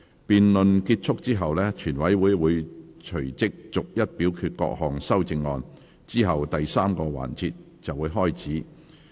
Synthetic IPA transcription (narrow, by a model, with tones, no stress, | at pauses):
piː˨nlɵ˨nkiː˧t̚t͡ʃʰʊ˥k̚t͡siː˥ɦɐ˨wlɛː˥t͡ʃʰyː˨˩nwɐ˨˥jwuː˨˧jwuː˨˧jt͡ʃʰɵ˨˩t͡sɪ˥k̚t͡sʊ˨k̚jɐ˥t̚piː˨˥wkʰyː˧t̚kɔ̰ː˧k̚hɔː˨ŋsɐ˥wt͡sɪ˧ŋːɔː˧n | t͡siː˥ɦɐ˨wt̪ɐ˨jsaː˥mkɔː˧wa̰ː˨˩nt͡sʰiː˧t̚ | t͡sɐ˨wːuː˨˧˥jɦɔː˥jt͡sʰiː˨˥